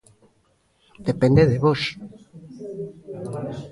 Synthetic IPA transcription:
d̪̥epend̪eðeβos

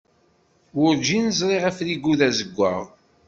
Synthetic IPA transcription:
wʊɾd͡ʒinəzˤɾˤeʁæfliɡuðæzəɡʷːa̰ʁ

